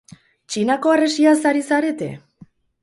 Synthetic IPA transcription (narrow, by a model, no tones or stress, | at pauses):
t͡ʃinako̞ere̞siasaɾisaɾe̞t̪e̞̰